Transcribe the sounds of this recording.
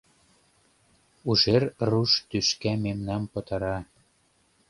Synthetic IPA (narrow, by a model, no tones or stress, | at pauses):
uʒerruʃt̪yʃkæmemnɑmpɤ̆t̪ɑɾɑ